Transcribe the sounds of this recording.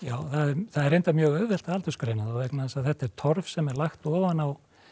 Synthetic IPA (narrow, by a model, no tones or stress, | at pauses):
jaːwθaðɛɾθaðɛɾejnt̪amjœːɣœːvɛl̥t̪aalt̪ʏskɾejnaðɔɣvɛknaðɛsaðθɛht̪aɛɾt̪ʰɔɾvsɛmɛɾlaxt̪ɔːvanaw